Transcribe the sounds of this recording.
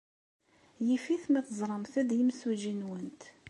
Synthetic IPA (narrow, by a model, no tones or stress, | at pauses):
jifiθmæθəzˤɾˤəmθæd̪jimsuʒinwənt̪